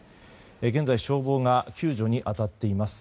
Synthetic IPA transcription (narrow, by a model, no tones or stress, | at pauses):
eɡẽ̞nd͡zaiɕo̞ːbo̞ːŋakʲɨːʑo̞ɲ̟iʔat̪at̪ːe̞imasɨ̥